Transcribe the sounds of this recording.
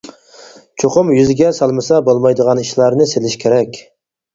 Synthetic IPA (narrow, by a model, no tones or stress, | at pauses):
t͡ʃʰoqʊmjyzɡʲɛsɑlˠmɨsɑbolˠmɑjd̪əʁɑniʃlˠɑɾnɨselɪʃkʲʰeɾɛkʲ